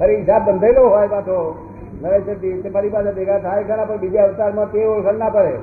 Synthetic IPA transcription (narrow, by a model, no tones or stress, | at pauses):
əɾeɪsabːənd̪ʱəjloɦɔjpãt̪ʰo | nəɾət͡ʃət̪it̪emaɾipased̪ekʰat̪ʰajkʰənapəɳbid͡ʒaʋɪst̪aɾmãt̪eolkʰəɳnapəɭe